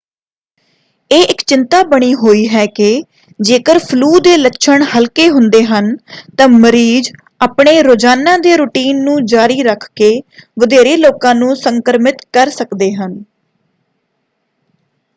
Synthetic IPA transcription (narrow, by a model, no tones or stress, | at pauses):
eːʔɪkt͡ʃɪnt̪aːbəɽ̃iːɦoːiːɦɛːkɪ | d͡ʒeːkəɾpʰluːd̪eːlətːʃʰəɳhəlkeːɦʊnd̪eːɦənt̪ãːməɾiːd͡ʒ | aːpɳeːɾoːd͡ʒaːnãːd̪eːɾuːʈiːnːũːd͡ʒaːɾiːɾəkʰkeːʋəd̪eːɾeːloːkãːnũːsəŋkəɾmɪt̪kəɾsəkd̪eːɦən